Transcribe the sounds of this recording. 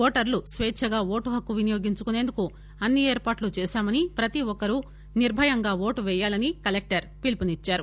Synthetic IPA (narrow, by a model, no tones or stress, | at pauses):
oːʈɐɾlusʋɛːʃʰɐɡaːʋo̞ːʈuɦɐkːuʋinijo̞ːɡiɲt͡ʃukune̞ːnd̪uku | ɐnːieːɾpaːʈlut͡ʃɛːʃaːmɐnipɾɐt̪iɔkɐɾu | niɾbʱɐjɐŋɡaːʋo̞ːʈuʋɛjːaːlɐnikɐlek̚ʈɐɾpilpunit͡ʃːaːɾu